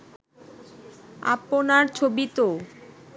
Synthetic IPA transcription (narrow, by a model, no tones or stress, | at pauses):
a̰ponaɾt͡ɕʰobit̪o